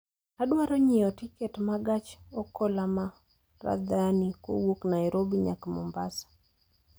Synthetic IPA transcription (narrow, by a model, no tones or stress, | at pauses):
aɗwaɾɔɲijɔtikɛtmaɡat͡ʃɔkɔlama | ɾa̰d̪aniko̰wuknajɾobiɲa̰kmɔ̰mbasḁ